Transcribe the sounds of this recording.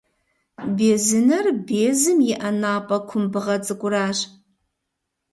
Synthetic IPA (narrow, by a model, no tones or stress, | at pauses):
bezɨnɨrbeːzɨmjiʔanaːpʼɐkʷʰʊmbɨʁɐt͡sʼɨkʷʼʊraːʒ